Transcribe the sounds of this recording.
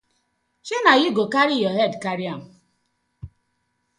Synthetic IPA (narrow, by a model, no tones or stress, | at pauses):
t͡ʃenaɣiɡokaɾijɔɦedkaɾiam̩